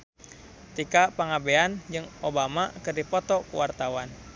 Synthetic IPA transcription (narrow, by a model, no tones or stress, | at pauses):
t̪ikapaŋabeand͡ʒɨŋobamakɨrdipɔt̪ɔkuwart̪awan